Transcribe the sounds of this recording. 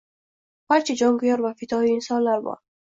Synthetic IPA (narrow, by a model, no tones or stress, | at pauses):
baɾt͡ʃʰid͡ʒɒŋɡʊjɒɾvafɪt̪ʰɒiinsɒllːaɾbɒ̰